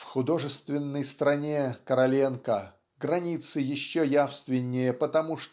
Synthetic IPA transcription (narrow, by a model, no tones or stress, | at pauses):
fxʊd̪o̞ʐɨst̪vʲɪnːəjst̪ɾɐnʲekəɾɐlʲenkə | ɡɾɐnʲit̪sɨjɪɕːojafst̪vʲɪnʲːɪjəpət̪ɐmuʂ